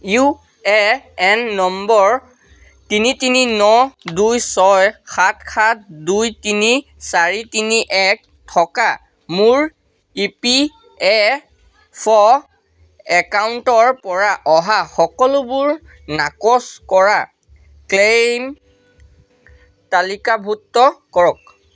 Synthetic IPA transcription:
ju | ɛɛnːɔmbɔɹ | tinitininɔdujsɔjxʰat̚kʰat̚dujtini | saɹitiniʔɛk̚ | tʰɔka | muɹ | ipi | ɛ | pʰɔ | ɛkawntɔɹpɔɹaʔɔɦaxɔkɔlʊbʊɹ | nakɔskɔɹa | klem | talikabʱutːɔkɔɹɔk̚

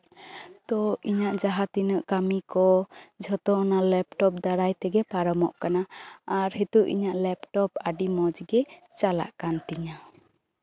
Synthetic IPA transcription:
t̪ɔiɲaʔd͡ʒaɦat̪inəʔkamikɔd͡ʒʱɔt̪ɔnalɛpʈɔp̚d̪aɾajt̪ɛɡɛpaɾɔmɔʔkanaːɾɦit̪uʔḭɲaʔlɛpʈɔpaɖimɔd͡ʒɡɛ | t͡ʃala̰ʔkant̪iɲa

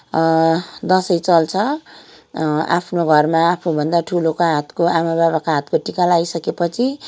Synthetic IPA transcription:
d̪ʌsʌjt͡sʌlt͡sʰʌ | a̰pʰnoɡʱʌrmaapʰnobʱʌnd̪aʈʰulokaɦat̪koamabaβakaɦat̪koʈikalajsʌkepʌt͡sʰi

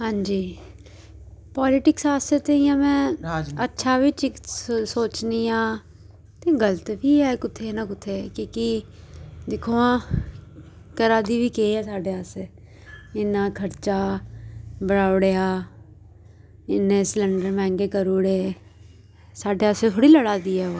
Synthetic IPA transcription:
ɦãːɲd͡ʒiː | paːlɪʈɪksaːsət̪eijãːmɛ̃ːətːʃʰaːbit͡ʃɪksoːt͡ʃniːãː | t̪eːɡələt̪bʱiːɦɛːkʊt̪ʰːeːnãːkʊt̪ʰːeːkiːki | d̪ɪkʰoːãː | kəɾaːd̪iːbʱiːkeːɛːsaːɖeːaːseː | ɪnãːkʰəɾt͡ʃaː | bəɽaːʊɽeaː | ɪnːẽːsləɳɖəɾmɛ̃ːŋɡeːkəɾoːɽeː | saːɖeːaset̪ʰoːɽiːləɽaːd̪iːɦɛːo

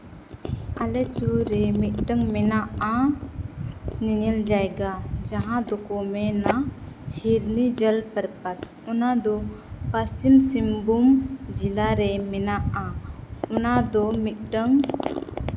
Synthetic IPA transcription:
alesuɾemit̪̚ɖəŋmɛnaʔa | ninild͡ʒajɡad͡ʒaɦãd̪ɔkɔmena | hiɾnid͡ʒəlpəɾpat̪̚ | unad̪ɔ | past͡ʃimsimbumd͡ʒilaɾemɛnaʔaunad̪ɔmit̪̚ɖəŋ

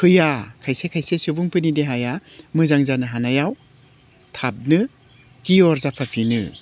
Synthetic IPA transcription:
kʰɯjakʰajsekʰajsesɯbuŋpɯnideɦajamɯzaŋzanɯɦanajaw | tʰap̚nɯ | kiɔɾzapʰapʰinɯ̰

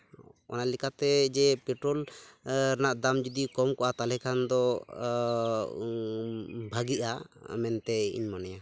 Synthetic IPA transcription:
ɔ̰naʔlikat̪ɛd͡ʒɛpɛʈɾɔl | ɾanaʔd̪amd͡ʒud̪ikɔmkɔʔat̪alɛkʰand̪ɔ | bʱaɡiʔamɛnt̪ɛḭɲmanɛja

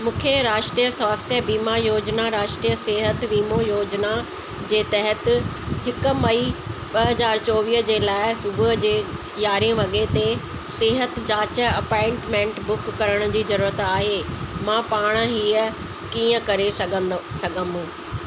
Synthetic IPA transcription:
mũːkʰeɾaːʃʈɾijəsɔːstjəbiːmajoːd͡ʑnaɾaːʃʈɾijəsɪɦət̪ʋiːmojoːd͡ʑna | d͡ʑeːt̪ɐɦət̪ | hɪkʊ̆mɐiɓɐɦɐzaːɾt͡ɕɔːʋiːɦd͡ʑeːlaːɪsʊbʊɦd͡ʑeː | jaːɾiẽʋɐɠet̪e | sɪɦət̪d͡ʑaːt͡ɕə̆ɐpɔ̃ːɪ̃ɳʈmẽːɳʈbʊkːɐɾəɽ̃ʊ̆d͡ʑiːzɐɾuːɾət̪aːɦeːmãːpaːɽ̃ɦiːə | kiːə̃kɐɾesɐɡʱə̃sɐɡʱəmũː

